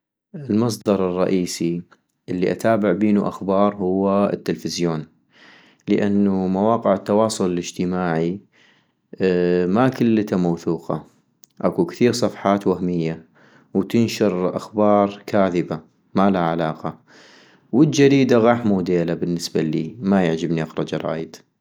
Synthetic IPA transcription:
ʔɪlmɑs̬ˤd̪ɑɾˤɨrˤːɑ̰ʔiːsi | ʔɪlːiʔa̰t̪aːbɪʕbiːnuʔa̰xbɑːɾˤhʊwːaɪ̰t̪ːɪlfɪzjoːn | ləʔanːumawɑːqɪʕɪt̪ːɑwɑːsˤʊlɪlɪd͡ʒt̪ɪmaːʕi | makɪlːt̪amawθuːqɑ̰ | ʔakukθiːɾsˤɑfħɑːt̪wahmɪjːa | wt̪ɪnʃɪɾʔa̰xbɑːɾˤkʰaːðɪba | malaʕalɑːqɑ | wɪld͡ʒad̪iːd̪aɣɑːħmud̪eːlabɪnːɪsbalḭːmajaʕd͡ʒɪbniʔaxɾˤɑd͡ʒɑɾˤɑ̰ːjɪd̪

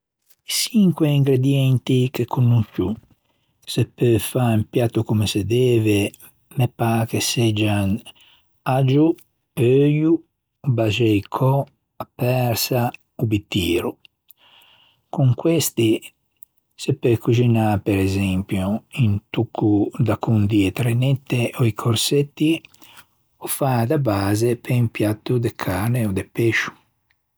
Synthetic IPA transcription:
isiŋkwɛiŋɡɾed̪jɛnt̪ikekʰːunːukːṵ | sɛpːøfaimpjat̪ːukumɛsɛd̪ɛːvɛ | mɛpːakesɛd͡ʒan | ad͡ʒu | pøju | bad͡ʒɛjkʰɔ | apːɛɾsa | ubit̪ːiːɾu | kuŋkwɛst̪i | sepːekud͡ʒinapɛɾɛzɛmpjuint̪ukʰːud̪akund̪iet̪ɾenɛt̪ːeʔoikʰoɾset̪ːi | ɔfad̪abaːzepeimpjat̪ːud̪ekʰaɾneɔd̪epeʃu̥

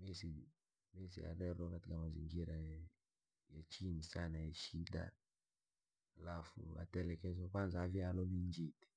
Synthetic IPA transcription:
mɛsi | mɛsḭa̰ɾɛɾɔkatikamazḭŋɡiɾa | jat͡ʃinisanajaʃida̰ | alafṵa̰tɛlɛkɛz̬ɔkwanzavialɔniɲd͡ʒiti̥

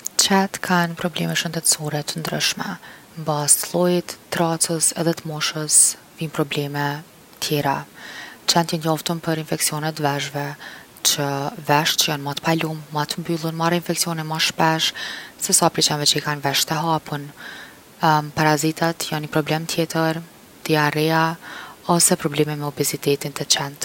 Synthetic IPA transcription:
t͡ʃɛt̪kʰanpɾɔblɛmɛʃənd̪ɛt̪sɔɾɛt̪ənd̪ɾə̰ʃmɛ̰ | mbast̪lˠɔjit̪ːɾat͡səsɛðɛt̪əmɔʃəs | vinpɾɔblɛmɛ | t̪ʰjɛɾa | t͡ʃɛnt̪jənjɔft̪əmpəɾinfɛksiɔnɛt̪vɛʒvɛ | t͡ʃəvɛʃt͡ʃəjanmat̪ə̥palumːat̪əmbylˠənmarainfɛksiɔnɛnmaʃpɛʃsɛsapɾit͡ʃanvɛt͡ʃəikanvɛʃt̪ɛɦapən | paɾazit̪at̪janɲəpɾɔblɛmt̪ʰjɛt̪əɾ | d̪iaɾɛaɔsɛpɾɔblɛmɛmɛɔbɛzit̪ɛt̪int̪ɛt͡ɕɛnt̪

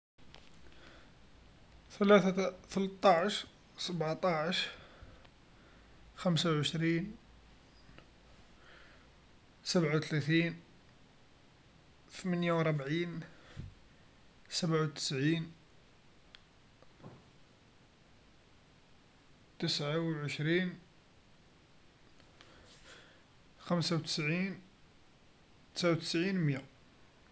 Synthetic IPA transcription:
θəlæθθəlt̪ˤːɑʕəʃ | səbʕt̪ˤɑʕʃɾ | xæmsawʕəʃɾiːn | səbʕawt̪læt̪in | θmænjawɾˤbʕiːn | səbʕawt̪ə̥sʕin | t̪əsʕawʕəʃɾin | xəmsawt̪ə̥sʕin | t̪ə̥sʕawt̪ə̥sʕinmjæ

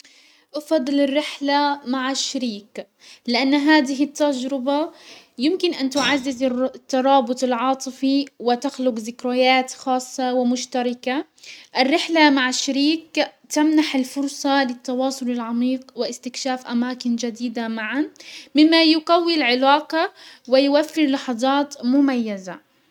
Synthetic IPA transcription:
ʔɑfɑd̪ˤːɨlɪrːɪħlamaʕaʃːaɾiːk | lɪʔanːɦaːd̪ɪɦɪt̪ːad͡ʒɾɪba | jɪmkɪnʔant̪ʊʕazːɪzt̪ːɑɾˤɑːbʊt̪ˤɪlʕɑːt̪ˤɨfiwɪt̪axlʊqzɪkɾajaːt̪xɑːsˤːɑwɪmʊʃt̪aɾˤɑka | ʔɪrːɪħlamaʕaʃːaɾiːkt̪amnaħɪlfʊɾˤsˤɑlɪt̪ːɑwɑːsˤʊlɪlʕɑmiːqwɪʔɪst̪ɪkʃaːfʔamaːkɪnd͡ʒad̪iːd̪amaʕanmɪmːajʊqawːilʕɪlaːqɑwɪjʊwafːɪɾlɑħɑðˤɑːt̪mʊmajːaza

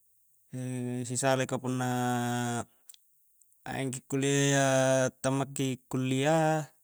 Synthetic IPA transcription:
sisalekapunːa | a̰ʔɛ̰ŋkikːulːiajat̪amːakːikːulːia

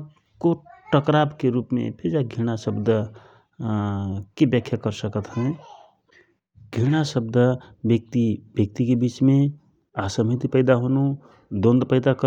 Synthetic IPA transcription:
koʈəkɾabkeɾupmḛpʰed͡ʒaɡʱiɽ̃asəbd̪ə | kebjəkʰjəkəɾsəkət̪ɦɛ̃ | ɡʱiɽ̃asəb̚d̪əbək̚t̪ibjək̚t̪ikebit͡ʃme | asəmit̪ipəɪd̪aɦonu | d̪õnd̪pəɪd̪akə

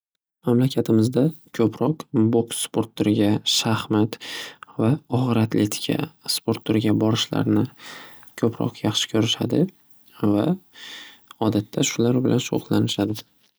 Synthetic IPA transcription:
mamlakʲʰat̪ʰɪmɪzd̪akʲʰɵpʰɾɒqboksspʰoɾt̪ːoɾɪɡʲaʃahmat̪vaɒχɨɾat̪le̞t̪ʰɪ̥kʲʰa̰spo̞ɾt̪ːoɾɡʲabɒɾɪʃla̰ɾnɪ | kʲʰɵpʰɾɒ̰qʰjɑχʃɪ̥kʲʰɵɾɪʃa̰d̪ɪ | va | ɒd̪at̪ʰːaʃʊlaɾbɪlʔanʃo̰ʁlˠanɪʃad̪ɪ

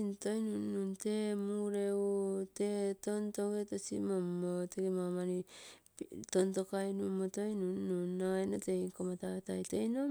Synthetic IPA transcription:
intojnunːuntemuɾeutetontoɡetosḭmomoteɡimamaɾiptontokajnumotojnunːunːoenotekomatatajtejno

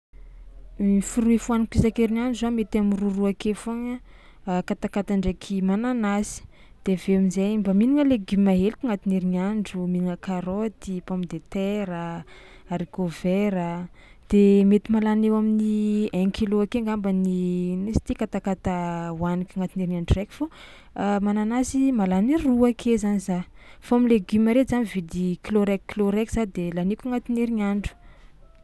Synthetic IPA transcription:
ifuɾuifuanikpisakeɾinaɳɖ͡ʐuzamet̪amiruruakefoŋə | kat̪akat̪aɳɖ͡ʐekʰimananasi̥ | d̪̥eveamizejmbəminiŋəleɡimaɦelikʲiŋat̪iniɾinaɳɖ͡ʐuminiŋəkaɾot̪ipamid̪et̪ɛɾə | aɾikoveɾə | d̪̥emet̪imalanewaminiɛŋkʰiloakeŋɡambəninesi̥t̪ikat̪akat̪awanikʲaŋat̪ineɾinaɳɖ͡ʐurɛkʲi̥fo | mananasimalaniɾruakʰezaniza | faamileɡymaɾezanivid̪ikloɾɛkkloɾɛkz̥ad̪elanikʲuŋat̪ineɾiŋaɳɖ͡ʐu̥

